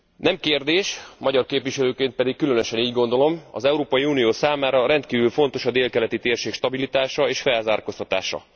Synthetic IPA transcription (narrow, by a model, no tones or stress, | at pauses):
nɛmkeːrd̪eːʃmɒɟɒrkeːpʋiʃɛløːkeːnt̪̚pɛd̪ikːylø̞nøʃɛniːɟɡo̞nd̪o̞lo̞mɒ̰zɛuɾoːpɒjiuːnijoːsaːmaːɾɒɾɛnt̪kiːvylfo̞nt̪o̞ʃɒd̪eːlkɛlɛt̪it̪eːrʃeːkʃt̪ɒbilit̪aːʃɒeːʃfɛlzaːrko̞st̪ɒt̪aːʃɒ̰